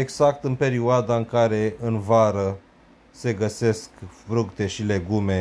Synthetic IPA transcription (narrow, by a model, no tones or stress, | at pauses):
eɡzak̚t̪ɨnpe̞ɾioad̪aɨŋkaɾe̞ɨnvaɾə | se̞ɡəse̞skfɾukt̪e̞ʃile̞ɡume̞